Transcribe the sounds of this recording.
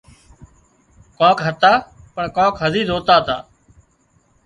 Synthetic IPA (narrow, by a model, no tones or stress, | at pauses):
kãːkɦət̪aːpəɳkãːkɦəziːd̪ɦoːt̪aːt̪a̰ː